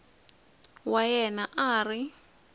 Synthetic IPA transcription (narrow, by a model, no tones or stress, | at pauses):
wajɛnaʔaːri